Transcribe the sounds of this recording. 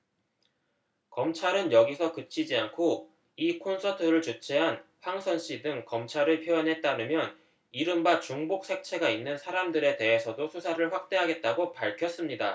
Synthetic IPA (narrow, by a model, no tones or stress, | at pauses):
kʌmt͡ɕʰaɾɯnjʌɡisʰʌkɯt͡ɕʰid͡ʑiankʰo | ikʰonsʰʌtʰɯɾɯɭt͡ɕut͡ɕʰeɦanɸaŋsʰʌnɕ͈idɯŋkʌmt͡ɕʰaɾɯɭpʰjojʌnɦe̞t̚t͈aɾɯmjʌn | iɾɯmbat͡ɕuŋbok̚s͈ʰe̞k̚t͡ɕʰe̞ɡainːɯnsʰaɾamdɯɾe̞te̞ɦesʰʌdosʰusʰaɾɯɭɸwak̚t͈e̞ɦaɡe̞t̚t͈aɡopaɭkʰjʌs͈ɯmɲida